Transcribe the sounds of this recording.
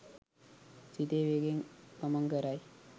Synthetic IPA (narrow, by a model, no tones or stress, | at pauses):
t͡ʃit̪eʋeɡeŋkəməŋɡəɾaj